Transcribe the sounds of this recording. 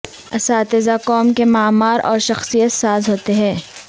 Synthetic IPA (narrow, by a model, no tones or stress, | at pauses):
ɐsaːt̪ɪzakɔːmkemaːmaːɾʔɔːɾʃɐxsijət̪saːzɦoːt̪eɦɛ̃ː